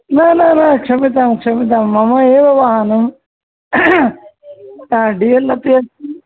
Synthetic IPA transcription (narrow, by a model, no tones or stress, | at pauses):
nananakʂɐmit̪̬aːmkʂɐmit̪̬aːmːɐmɐeːʋɐʋaːɦanɐm | t̪ãɖijɐlːɐt̪iɐ